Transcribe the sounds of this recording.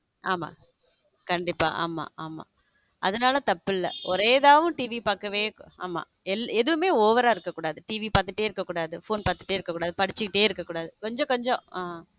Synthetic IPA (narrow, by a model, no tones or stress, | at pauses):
ʔaːma̰ː | kɐɳɖɪpːa̰ːʔa̰ːma̰ːaːma̰ː | ʔɐðɐnaːlɐt̪ɐpːɪlːɐ̰ɔɾeːðaːʋɯ̃ʈiːʋipaːkːɐʋeːa̰ːma̰ː | ɛlːɛðɯʋɯmeːoːʋɐɾaːɪɾɯkːɐkːuːɽaːðɯʈiːʋipaːɾt̪ːɯʈːeːɪɾɯkːɐkːuːɽaːðɯfoːnpaːɾt̪ːɯ̥ʈːeːɪɾɯkːɐkːuːɽaːðɯpɐɽɪt͡ʃːɯkːɪʈːeːɪɾɯkːɐkːuːɽaːðɯkɔɲd͡ʒɔ̃kɔɲd͡ʒɔ̃aː